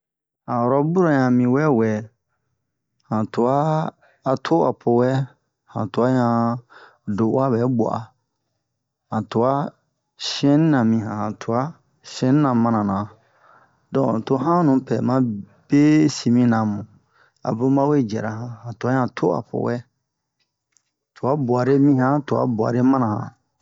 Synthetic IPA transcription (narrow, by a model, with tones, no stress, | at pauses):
hã˨ɔ˨ɾɔ˦bu˦ɾɔ˨ɲã˧mĩ˧wɛ˦wɛ˨ | hã˨tu˨aː˦˨ | tʰo˦a̰˨pʰo˧wɛ˦ | hã̰˨tu˨a˦ɲã˧ | do˨˦wa˦bɛ˨˦bɔ̰˨ʔa˨ | hã˨tu˨a˦ | ʃɛ̃˦nĩ˦nã˨mĩ˧˨ɦã˨hã˨tʰu˨a˦ | ʃɛ̃˦nĩ˦nã˨mã˨nã˨nã˨ | dɔ̃˨to˧ɦã˦nũ˨˦pɛ˨mã˧ | b̥e˦si˨mĩ˦nã˨mũ˨ | a̰˨bo˦mã˦we˦d͡ʒɛ̰˨ɾa˦ɦã˨hã˨tu˨a˦ɲã˧˨tʰo˦a̰˨po̰˨wɛ˦ | tu˨a˦bu˨a˨ɾe˦mĩ˦hã˦tu˨a̰˨˦bu˨a̰˨ɾe˦mã˦nã˨hã̰˨